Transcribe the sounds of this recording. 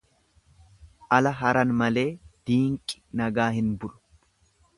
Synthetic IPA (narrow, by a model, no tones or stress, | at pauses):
ʔɐlɐɦɐɾɐnmɐle̞ːd̪̥iːŋkʼɪ̥nɐɡaːɦɪnbʊlʊ̥